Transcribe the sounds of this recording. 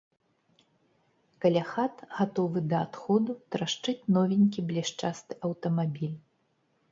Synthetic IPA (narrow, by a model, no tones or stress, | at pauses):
kalʲaxat̪ɣat̪ɔvɨd̪ɐːt̪xɔd̪ut̪ɾaʂt͡ʂɨt͡sʲnɔvʲinʲkʲiblʲiʂt͡ʂast̪ɨʔɐwt̪ɐmabʲilʲ